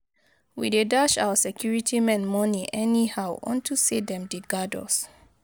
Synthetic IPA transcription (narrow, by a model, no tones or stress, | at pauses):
wḭdedaʃa̰wəsɛkʰjuɹitʰimɛ̃nmɔniʔɛnihawʔɔ̰̃ntʰusedɛ̃mdiɡadɔ̰s